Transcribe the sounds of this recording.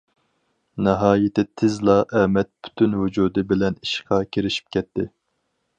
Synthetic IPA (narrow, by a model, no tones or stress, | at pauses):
nɪɦɑːjɪt̪ɪt̪ʰɪzlˠɑʔɛmɛt̪̚pʰy̥t̪ʰynwud͡ʒuːd̪ɪbɪlɛniʃqʰɑkʲʰeɾɪʃi̥p̚kʲʰɛt̪ʰːɪ